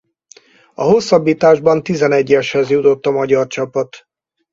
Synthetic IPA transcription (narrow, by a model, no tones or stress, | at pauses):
ɒ̰ɦo̞sːɒbːiːt̪aːʒbɒnt̪izɛnɛɟːɛʃhɛzjut̪o̞t̪ːɒmɒɟɒrt͡ʃɒpɒt̪